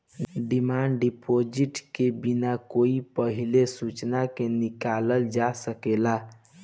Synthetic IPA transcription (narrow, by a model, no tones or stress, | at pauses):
ɖimaɳɖɖipʰod͡ʒiʈkebinakoipəɦilesut͡ʃnakenikaləld͡ʒasəkela